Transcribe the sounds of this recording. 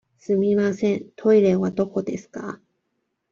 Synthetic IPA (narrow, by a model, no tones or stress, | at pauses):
sɨmʲimasẽ̞nt̪ʰo̞iɾe̞βad̪o̞ko̞d̪e̞sɨ̥ka̰